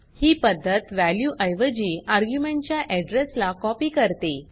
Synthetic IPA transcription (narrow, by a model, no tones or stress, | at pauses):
hiːpəd̪ʱːət̪ʋæljuʔəjʋəd͡ʑiːaɾɡjumeɳʈt͡ɕjaʔɛɖɾeslakɔpiːkəɾt̪e